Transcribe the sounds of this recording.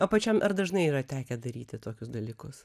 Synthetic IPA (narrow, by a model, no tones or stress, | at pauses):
ɐpɐt͡ʃʲɛmʔɐɾd̪ɐʒnɐɪiːɾɐt̪ʲæːkʲɛd̪ɐɾʲiːt̪ʲɪt̪oːkʲʊsd̪ɐlʲiːkʊs